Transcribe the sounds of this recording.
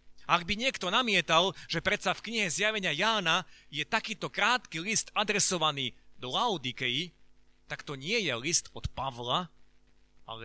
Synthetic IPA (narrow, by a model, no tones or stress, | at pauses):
aɡ̚biɲɪɛkt̪ɔnamɪɛt̪alʒ̥ɛpɾɛt̪safkɲiɦɛzjaʋɛɲɪajaːnajɛt̪akiːt̪ɔkɾaːt̪kilist̪ad̪ɾɛsɔʋaniːd̪ɔlaʊd̪ikɛi | t̪akt̪ɔɲɪɛjɛlist̪ɔt̪paʋla | a̰lɛ